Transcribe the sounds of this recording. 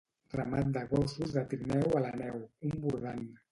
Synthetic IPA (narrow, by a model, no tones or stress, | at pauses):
ramat̪̚d̪aɣɔsuzat̪iɾnɛwalanɛwumbuɾðana